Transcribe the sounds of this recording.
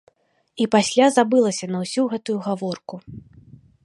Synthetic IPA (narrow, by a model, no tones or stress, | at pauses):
ipasʲlʲazabɨlˠɐsʲɐnɐwsʲuɣɛt̪ujuɣavɔrku